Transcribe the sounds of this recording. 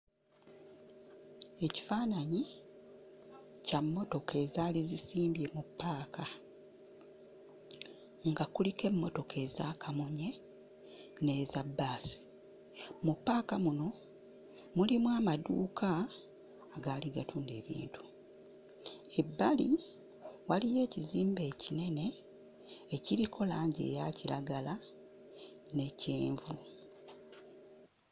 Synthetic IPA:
e̞ci̥faːnaɲi | camːo̞to̞ke̞ːzaːlizisiːmbje̞mupːaːkʰa | ŋɡakulike̞mːo̞to̞ke̞ːzaːkʰamuɲe̞ | ne̞ːzabːaːsi̥ | mupːaːkamuno̞ | mulimwaːmaduːkʰaː | ɡaːliɡatuːnde̞ːβḭːntu̥ | e̞bːali | walije̞ːciziːmbe̞ːcine̞ne̞ː | ciɾikʰo̞laːɲɟe̞̰ːjaciɾaɡala | ne̞ceːɱvu

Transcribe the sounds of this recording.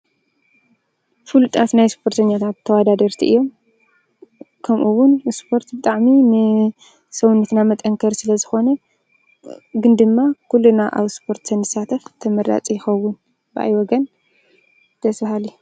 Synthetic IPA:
fɨlut̪ʼat̪najspʰo̞ɾt̪ʰɐɲːat̪ʰat̪ʰːɐwad̪ad̪ɐɾt̪ʰiʔɨjːo̞m | kʰɐmʔuwʊnspʰo̞ɾt̪bɨt̪ʼaʕminɨ | sɐwunːɨt̪namɐt̪ʼɐŋkʰɐɾsɨlɐzɨxo̞nɐ | ɡɨnd̪ɨmːakʰulːunaʔa̰βspʰo̞ɾt̪sɐnzɨsat̪ʰɐft̪ʰɐmɐɾa̰t͡sʼijɪxɐwːʊn | bɨʔa̰jwɔɡɐn | d̪̥ʰɐsbahali

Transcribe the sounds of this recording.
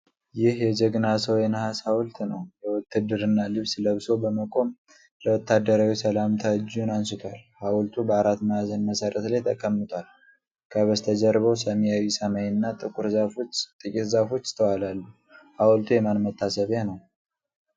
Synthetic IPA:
jɪhjɛd͡ʒɛɡnasəwjɛnhasawlt̪nəwjɛwɔt̪ʰːɨd̪ːɨɾɨnːalɨβsləβso̞bəməkʼo̞m | ləwɔt̪ʰːad̪ːəɾawisəlamt̪ʰad͡ʒunansɨt̪ʰʷalhawlt̪ʰubəaɾat̪məazənməsəɾət̪lajt̪ʰəkʼːəmːɨt̪ʼʷal | kʰəβəst̪ʰəd͡ʒəɾβəwsəmijawisəmajnːat̪ʼɨkʼuɾzat̪ʼɨkʼit̪zafo̞t͡ʃːt̪ʰəwalalːu | hawlt̪ʰujɛmanmət̪ʰːasəβjanəw

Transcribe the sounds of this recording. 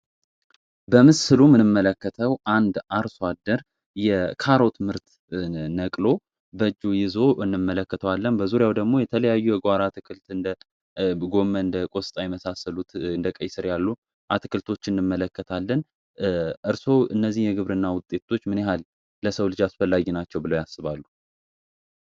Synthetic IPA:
bəmɨsɨlumɨnɨmːələkːət̪ʰəwʔand̪aɾsad̪əɾ | jɛkʰaɾot̪ʰɨmɨɾt̪ | nəkʼlo̞ | bəd͡ʒːujɪzo̞ʔɨnːɨmːələkːət̪ʰəwalːənbəzuɾjawd̪əɡmo̞jɛt̪ʰələjajːujɛɡʷaɾat̪ʰɨkʰɨlt̪ɨnd̪ə | ɡo̞mːəɨnd̪əkʼo̞sɨt̪ʼajɛməsasəlut̪ɨnd̪əkʼəjsɨɾjalːu | ʔat̪ʰɨkʰɨlt̪ʰo̞t͡ʃːɨnːɨmːələkːət̪ʰalːən | ʔɨɾso̞wʔɨnːəzːihjɛɡɨβɾɨnːawʊt̪ʼːe̞t̪ʰo̞t͡ʃːmɨneɦalː | əsəwlɨd͡ʒasfəlːaɡinat͡ʃːɛwbɨləwjasːɨβalːu

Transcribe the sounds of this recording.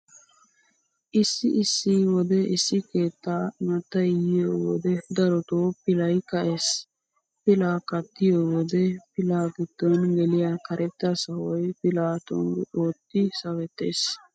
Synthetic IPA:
ʔɪsːɪʔɪsːiwɔd̪ɛʔɪsːɪkeːt̪ːaːmɐt̪ːɐjjowɔd̪ɛd̪ɐɾɔt̪oːpɪlɐjkɐʔes | pɪlaːkɐt̪ːɪjoːwɔd̪ɛpɪlaːɡɪd̪ːɐnɡɛlɪjaːkɐɾʔɛt̪ːasɐwɔjpɪlaːt̪ɔ̰nɡʔoːt̪ːɪsɐwɛt̪ːḛːs

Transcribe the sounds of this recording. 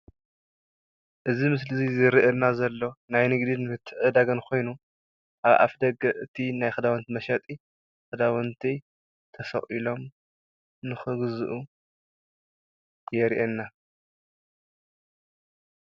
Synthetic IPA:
ʔɨzimɨs̬lɨzizɨɾiʔɐnazɐlːo̞najnɨɡd̪inɨmɨt̪ʰːɨʕɨd̪aɡɐnkʰo̞jnu | ʔaβʔa̰fd̪ɐɡɐʔɨt̪ʰinajxɨd̪awɐnt̪ʰimɐʃɐt̪ʼi | xɨd̪awɐnt̪ʰi | t̪ʰɐsɐ̰χʼilo̞m | nɨxɨɡzɨʔu | jɛɾiʔɛnːa

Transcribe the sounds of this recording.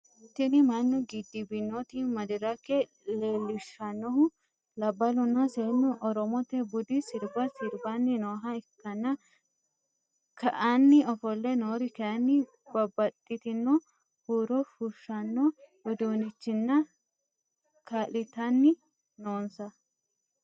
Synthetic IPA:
ɪt̪ːɪnɪmɐnːʊɡɪd̪ːɪbɪnːot̪ɪmɐd̪ɪɾɐkːɛ | leːlɪʃɐnːɔhʊ | lɐbːɐlʊnːɐseːnːʊʔɔɾɔmɔt̪ɛbʊd̪ɪsɪɾbɐsɪɾbɐnːɪnoːɦɐɪkːɐnːɐ | kɐʔanːɪɔfɔlːɛnoːɾɪkɐʔɐnːɪ | b̥ɐbːɐt̪ʼːɪt̪ɪnːɔ | huːɾɔfuʃːɐnːɔwʊd̪oːnɪt͡ʃːɪnːɐ | kʰaːlɪt̪ɐnːɪ | noːnsɐ

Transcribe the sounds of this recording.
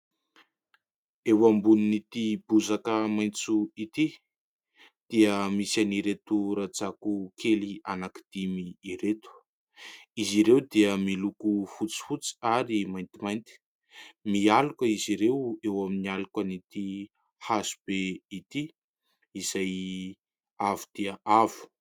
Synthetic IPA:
ewambuninit̪ibuzakəmajnt͡suit̪i | d̪̥iəmisaniɾet̪uɾad͡zakukʰelianaki̥d̪̥imiːɾet̪u̥ | iziɾewd̪iəmilukufut͡si̥fut͡si̥aɾimajnt̪imajnt̪i̥ | mialukəiziɾewewaminialukənit̪i | hazu̥b̥eit̪i | iz̥aj | avud̪̥iəʔavu̥

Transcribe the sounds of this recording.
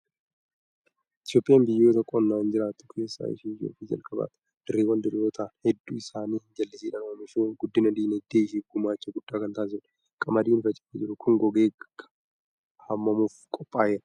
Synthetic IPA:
ɪt̪jo̞ːpʼɪjaːnbɪjːoːt̪ɐkʼːɔnːaːɪnd͡ʒɪɾaːt̪ːʊ̥kʰe̞ːsːa̰ːɪ̰ʃiːjo̰ːfiːd͡ʒɐ̰lkʼɐba̰ːt̪ʼɐ | d̪̥ɪrːeːwɐnd̪ɪreɔt̪ʰaːnhɛd̪ːuːɪsaːniːhɪd͡ʒɐlːɪsiːᶑɐnɐmɪʃoːɡʊd̪ːɪnɐd̪iːnɛd̪ːeːɪʃiːɡʊmaːt͡ʃːɐɡʊd̪̥ːaːkɐnt̪aːs̬ɪn | kʼɐmɐd̪iːnfɐt͡ʃʼːɪ̥fɛd͡ʒɪɾʊkʰʊŋɡɔɡeːɡ | hɐmːɐmuːfkʼɔpʼːaːjɛn

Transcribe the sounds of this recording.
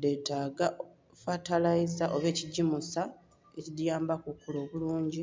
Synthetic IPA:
detaːɡa | fatalaizaʔo̞βe̞ːciɟːimusa | ecidjaːmbakukːulo̞ːβuluːɲɟi

